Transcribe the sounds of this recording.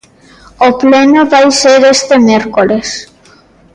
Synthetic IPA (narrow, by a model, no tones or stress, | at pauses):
oplenoβajseɾest̪emeɾkoles